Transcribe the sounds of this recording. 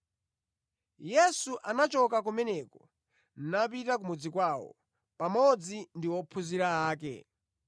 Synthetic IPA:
jɛsuʔanat͡ʃɔkak̬umɛnɛkɔ | n̩napitak̬umud͡zikwawɔ̰ | pamɔd͡zindiwɔpʰuziɾaaːk̬ɛ̰

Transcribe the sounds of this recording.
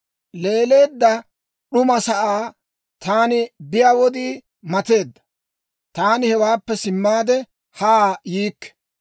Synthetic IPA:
le̞ːle̞ːd̪ːɐ | ɗʊmɐsɐʔaː | t̪aːnɪbɪjaːwɔd̪iː | mɐt̪e̞ːd̪ːɐ̥ | t̪aːnɪhɛwaːpːɛsɪmːaːd̪ɛ | haːjiːkːɛ̥

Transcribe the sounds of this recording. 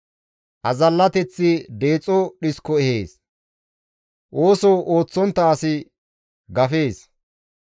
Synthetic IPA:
ʔɐzɐlːɐt̪ɛt͡sːɪd̪e̞ːt͡sʼɔɗɪskːɔɛheːs | ʔoːsɔwʔo̞ːt͡sːɔnt̪ːɐːsɪ | ɡɐfe̞ːs

